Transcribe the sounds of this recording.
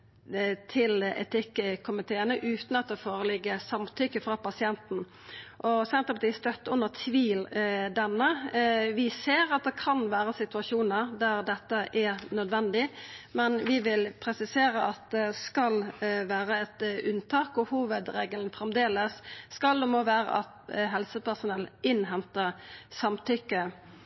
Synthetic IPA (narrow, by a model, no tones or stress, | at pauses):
t̪ʰɪlɛ̰t̪ɪkkʰʊmɪt̪ʰeːənəʔʉːt̪n̩ɑt̪̚d̪ɛːfoːɾəlɪɡːəsɑmt̪ʰʏkːəfɾɑpɑsɪɛnt̪n̩ | ʔɔsɛnt̪ʁəpɑt̪iːst̪œt̪ːʊnːət̪ʰʋiːld̪ɛnːəʋɪseːɾɑt̪̚d̪ɛkʰɑnʋæːɾəsɪt̪ʉɑʂuːnəɾd̪æɾd̪ɛt̪ːəʔɛɾnœd̪ʋɛnd̪ɪmɛnʋɪʋɪlpʰɾɛsɪseːɾəʔɑt̪̚d̪ɛskɑlʋæːɾəɛt̪ʉnt̪ʰɑːkʊhuːʋəd̪ɾeːɡəlnfɾɛmd̪eːləsːkɑld̪ɛmoːʋæːɾə̰ʔɑt̪ɦɛlsəpæʁsʊnɛlʔɪnɦɛmt̪əsɑmt̪ʰʏkːə